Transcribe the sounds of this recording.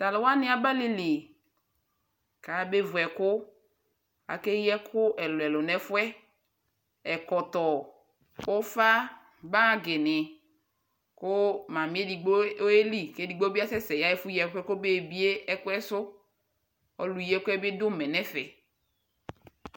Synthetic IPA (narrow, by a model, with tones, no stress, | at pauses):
ta˨lʊ˨wa˦nɪ˦a˦ba˦li˦li˨ | ka˨˦be˦vʊ˨ɛ˨kʊ˦ | a̰˨ke˦jɛ˦kʰʊ˦ʔɛ˨lɔ˨ɛ˨lʊ˨nɛ˦fʊ˦ɛ˦ | ɛ˨kɔ˨t̪ɔ˨ | o˦fa˦ | ba˦ɡɪ˨nɪ˨ | kʊ˦mã˨mi˦e˦di˨ɡ͡bo˦e˦li˦ke˦di˨ɡ͡bo˦bi˦a˦sɛ˦sɛ˨ja˦ɛ˦fʊ˦jɛ˦fɛ˦kʊ˦be˦˨bi˦e˦ɛ˦kʊ˦ɛ˦sʊ˦ | ɔ˦lu˨jɛ˦kʊ˦ɛ˦bɪ˦dʊ˦mɛ˨nɛ˦fɛ˨